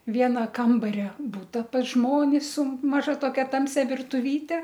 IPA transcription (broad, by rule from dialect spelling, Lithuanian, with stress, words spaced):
ˈʋʲiɛnɐ ˈkɐmbɐrʲɛ ˈbʊtɐ pɐs ˈʒmoːnʲɪs sʊ mɐˈʒɐ toːˈkʲɛ ˈtɐmʲsʲɛ ʋʲɪrtʊˈʋʲiːtʲɛ